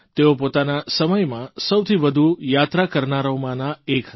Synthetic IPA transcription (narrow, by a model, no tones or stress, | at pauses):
t̪eopot̪anasəməjmãsəwt̪ʰiʋəd̪ʱujat̪ɾakəɾnaɾomãnaek